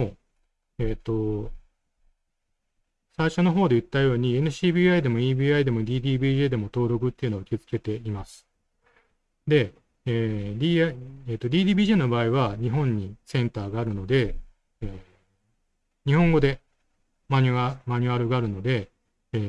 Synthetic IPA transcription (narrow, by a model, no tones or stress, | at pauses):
o | eːt̪ːo̞ | saiɕo̞no̞ɦo̞ːd̪e̞ɯ̟t̪ːajo̞ːɲ̟ienɯ̟ɕiːbʲiːaid̪e̞mo̞iːbiːaid̪e̞mo̞d̪ʲiːd̪ʲiːbʲiːʑe̞ːd̪e̞mo̞t̪o̞ːɾo̞kɯ̟t̪ːeiɯ̟noaɯ̥ke̞t͡sɨ̥ke̞t̪e̞imasɨ̥ | d̪e̞ | eːd̪ʲiːaieːt̪ːo̞d̪ʲiːd̪ʲiːbʲiːʑeːno̞baːiβaɲ̟iɦõ̞ɲ̟ːisẽ̞nt̪aːɡaːɾɯ̟no̞d̪e̞ | eː | ɲ̟ihõ̞ŋɡo̞d̪e̞ | maɲ̟ʲamaɲ̟ɯaɾɯɡaːɾɯ̟no̞d̪e̞ː